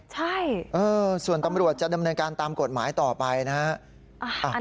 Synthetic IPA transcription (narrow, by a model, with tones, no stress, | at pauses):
t͡ɕʰa˥˩jʔɤː˧su˨˩ənt̪a˧mɾu˨˩ət̪̚t͡ɕa˨˩da˧mnɤː˧nkaː˧nt̪aː˧mko˨˩t̪̚maː˩˦jt̪ɔː˨˩pa˧jna˦˥ | ʔa˧˩ʔ